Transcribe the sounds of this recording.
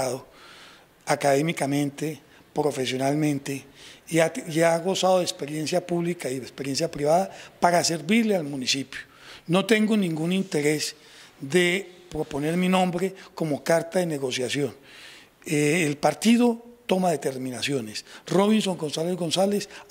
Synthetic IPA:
aðo | akaðemikamẽnt̪e | pɾo̞fe̞sjo̞nalmẽnt̪e | iaɣo̞sað̞o̞ðespeɾje̞nsjapuβlikaiðespeɾje̞ns̬japɾiβaðapaɾase̞ɾβiɾlealmũnisipjo | no̞t̪e̞ŋɡo̞nĩŋɡunint̪e̞ɾe̞s | d̪epɾo̞pone̞ɾminõ̞mbɾeko̞mo̞kaɾt̪aðene̞ɣo̞sjasjo̞n | lpaɾt̪iðot̪o̞maðe̞t̪e̞ɾmĩnasjo̞ne̞sroβinso̞ŋɡo̞nsale̞zɣo̞nsales

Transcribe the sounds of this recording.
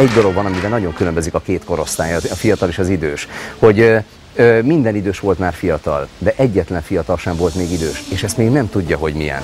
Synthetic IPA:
ɛɟd̪o̞lo̞ɡbɒnɒmibɛlnɒɟo̞ŋkylømbøzikɒkeːt̪ko̞ɾo̞st̪aːjɒɒfijɒt̪ɒleːʃɒzid̪øːʃho̞ɟ | mind̪ɛnid̪øːʃʋo̞lt̪maːrfijɒt̪ɒ̰ld̪ɛʔɛɟːɛt̪lɛɱfijɒt̪ɒlʃɛɱvo̞lt̪meːɡid̪øːʃeːʃɛst̪meːɡnɛmt̪uɟːɒɦo̞ɟmijɛ̰n

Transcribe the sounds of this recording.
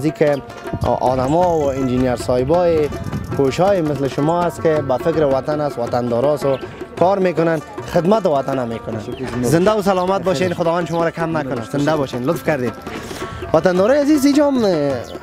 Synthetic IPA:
zikɪ | ɔ̰d̪amɔwʊɪnd͡ʒinjaɾsɔɪbɔekoʃɔjɪmɪslɪʃʊmɔast̪kɪbafɪkɾɪwat̪anaswat̪and̪ɔɾɔsʊkʰɔɾmekʊnanχɪd̪mat̪̬ɪwat̪anamekʊna̰nzɪnd̪awʊs̬alɔmat̪bɔʃenχʊd̪ɒwand̪ʃʊmɔɾakamnakʊnaz̥ɪnd̪abɔʃenlʊt̪fkaɾd̪en | wat̪and̪ɔɾɔjazizid͡ʒɔm

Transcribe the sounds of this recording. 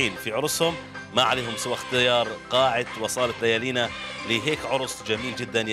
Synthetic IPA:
iːnfiʕʊɾˤsˤhʊmː | aʕaleːɦʊmsʊwaxt̪ɪjɑːɾˤqɑːʕɪd̪wɑsˤɑːlɪt̪lajaːliːnalɪɦeːkʕʊɾˤsˤd͡ʒamiːld͡ʒɪd̪ːan

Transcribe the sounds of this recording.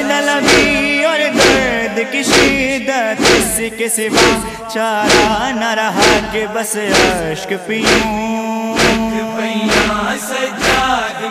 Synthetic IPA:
lɐlɐbiɔːɾd̪ɐɾd̪kɪʃid̪ɐt̪ɪskesebaː | t͡ʃaːɾanaɾɐɦaːkebɐsɐʃkpijũ

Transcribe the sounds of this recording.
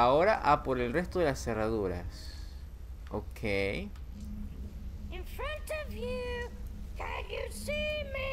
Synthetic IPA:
ao̞ɾaʔapoɾelrest̪oðelasːeraðuɾa̰s | okʰej | ɨ̃nfɹʌ̃ntʌvjʉkʰæ̰̃njɨsimi

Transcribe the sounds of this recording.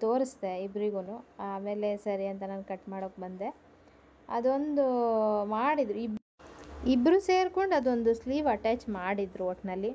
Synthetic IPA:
t̪o̞ːɾist̪eibɾiɡunuaːme̞ːle̞sɐɾiɐnt̪ɐnaːnkɐʈːmaːɽoːk̚bɐnd̪e | ɐ̰d̪o̞nd̪umaːɽid̪ɾuib | ibɾuːse̞ːɾkoɳɖɐd̪o̞nd̪usliːʋɐʈaːt͡ʃmaːɽid̪ɾuoʈnɐlːi

